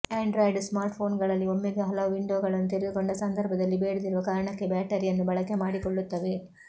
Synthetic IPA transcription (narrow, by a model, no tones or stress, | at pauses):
aːɳɖɾoːjɖsmaːɾʈpʰo̞ːnɡɐɭɐlːiomːiɡɐɦɐloːʋiɳɖoːɡɐɭɐnːut̪iɾed̪uko̞ɳɖɐsɐnd̪ʱɐɾbʱɐd̪ɐlːibeːɽud̪iɾuʋɐkaːɾɐɳɐkːe̞baːʈeɾijɐnːubɐɭɐkemaːɽikoɭːut̪ːɐʋe̞